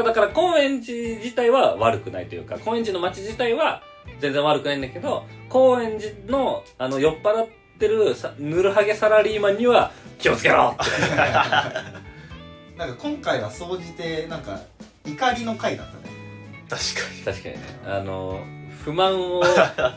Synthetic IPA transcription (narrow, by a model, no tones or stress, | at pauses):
d̪akaɾako̞ːẽ̞ɲ̟d͡ʑid͡ʑit̪aiβaβaɾɯ̟kɯ̟nait̪ojɯ̟̰ːka̰koːẽɲd͡ʑino̞mat͡ɕiʑit̪aiβa | d͡zẽ̞nd͡zẽ̞βaɾɯ̟kɯnaĩnd̪ake̞d̪o̞ko̞ːẽ̞ɲd͡ʑino̞ano̞jo̞pːaɾat̪ːe̞ɾɯ̟snɯ̟ɾɯ̟ɦaɡe̞saɾaɾʲiːmãɲ̟ːiβakʲio̞t͡sɨ̥ke̞ɾo̰ːt̪e | nãŋkakõŋkaiβaso̞ːd͡ʑit̪e̞nãŋka̰ | ikaɾʲino̞kaid̪a̰t̪ːa̰net̪aɕi̥kḁt̪aɕi̥ka̰ɲ̟ḭnḛa̰no̞̰ɸɯ̟mãɰ̃o